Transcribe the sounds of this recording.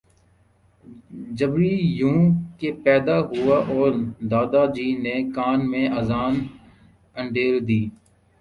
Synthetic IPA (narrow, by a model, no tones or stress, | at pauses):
d͡ʒəbɾiːjũːkeːpɛːd̪aːɦʊaːʔɔːɾd̪aːd̪aːd͡ʒiːneːkaːnmẽːaːzaːn | ə̃ɳɖeːld̪iː